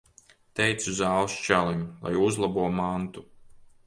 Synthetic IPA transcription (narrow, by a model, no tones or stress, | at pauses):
t̪ɛjt̪suzalst͡ʃæːlˠimlˠa̰juzlˠabuɔmant̪u